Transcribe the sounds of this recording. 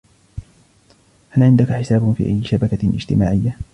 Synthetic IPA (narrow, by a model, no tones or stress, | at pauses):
ʔalʕɪnd̪akaħɪsaːbfḭːʔa̰jːɪʃabakaʔɪ̰d͡ʒt̪ɪmaːʕɪjːa